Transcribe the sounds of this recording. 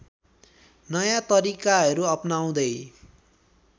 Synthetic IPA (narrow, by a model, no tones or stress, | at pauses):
nʌjat̪ʌɾikaɦʌɾuʌpnaw̃d̪ʌj